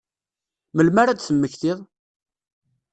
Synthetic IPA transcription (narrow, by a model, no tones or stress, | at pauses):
məlmaɾad̪θəmːəçθɪðˤ